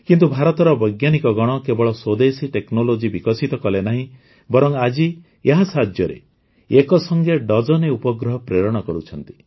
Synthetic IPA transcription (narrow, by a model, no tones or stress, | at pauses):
kint̪ubʱaɾɔt̪ɔɾɔbɔjɡjanikɔɡɔɽ̃ɔkebɔɭɔswod̪esiʈeknolod͡ʒibikɔsit̪ɔkɔlenaɦĩ | bɔɾɔŋad͡ʒi | eɦasad͡ʒjɔɾḛ | ekɔsɔŋɡeɖɔd͡ʒɔneupɔɡɾɔɦɔpɾeɾɔɽ̃ɔkɔɾut͡ʃʰɔnt̪i̥